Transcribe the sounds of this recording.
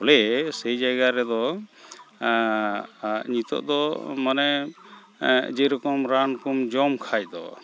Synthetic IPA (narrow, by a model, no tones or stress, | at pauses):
ɔlɛsejd͡ʒaɡaɾɛd̪ɔ | ɲit̪ɔ̰ʔd̪ɔmanɛ | d͡ʒɛɾɔkɔmɾankumd͡ʒɔmkʰajd̪ɔ